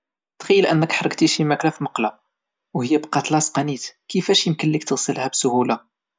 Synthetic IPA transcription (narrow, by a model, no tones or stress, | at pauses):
t̪xæjːəlʔænːəkħɾˤəɡt̪iʃimæklæfimɑqlɑ | whəjːæbqɑt̪lɑsqɑnit̪kəfæʃjəmkənːikt̪əɣsəlhæbsʊhula